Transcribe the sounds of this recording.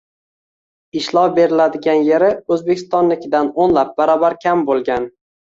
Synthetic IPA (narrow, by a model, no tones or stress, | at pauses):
ɪʃlˠɒwbe̞ɾɪlad̪ɪɡʲanje̞ɾɪɵzbe̞kʲʰɪst̪ɒnlɪkʲɪd̪anonlap̚baɾɒbaɾkʲʰambolˠɡʲan